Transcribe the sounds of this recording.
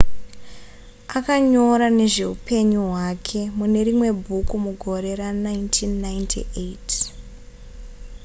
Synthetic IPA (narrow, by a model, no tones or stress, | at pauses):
akaɲo̞ɾane̞ʐe̞ɦupe̞ɲuɦwakʰe̞mune̞ɾimwe̞bʱukumuɡʱo̞ɾe̞ɾanaintʰinːajntʰḭʔeit